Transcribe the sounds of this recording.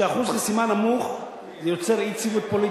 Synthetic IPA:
eaχuzχasimanamuχ | zejo̞t͡se̞ʁit͡sivut̪̚po̞li

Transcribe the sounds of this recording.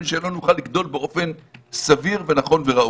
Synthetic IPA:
nʃeenlo̞nuχalːiɡd̪o̞lbeʔo̞fe̞nsaviʁve̞naχo̞nveʁaʔ

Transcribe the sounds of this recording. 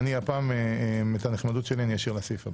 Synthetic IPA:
niapaːmemetaneχmad̪ut̪ʃelianijaʃiʁlasifab

